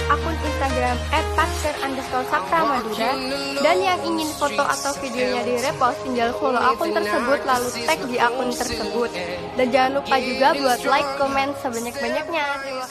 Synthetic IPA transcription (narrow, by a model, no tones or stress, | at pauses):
ʔakʊninst̪aɡɾamɛt̪̚pas̚kərʔandəst̪ɔlsak̚t̪amaduna | danjaŋiŋɪnfot̪oʔa̰t̪awfideoɲadiɾɛpast̪iŋɡalsəlulaʔakʊnt̪ərsəbʊt̪lalut̪ɛk̚diʔakʊnt̪ərsəbʊt̪̚ | dand͡ʒaŋanlupad͡ʒuɡabuat̪̚laɪkːomɛnt̪səbaɲak̚baɲak̚ɲa